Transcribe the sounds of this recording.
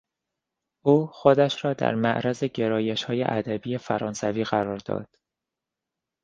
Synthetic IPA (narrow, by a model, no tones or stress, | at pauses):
ʔuːxod̪æʃɾɒːd̪æ̰ɾmæʔɾæze̞ɟe̞ɾɒːje̞ʃhɒːjḛʔæd̪æbiːje̞fæɾɒːnsæviːɣæɾɒːɾd̪ɒ̰ːd̪̥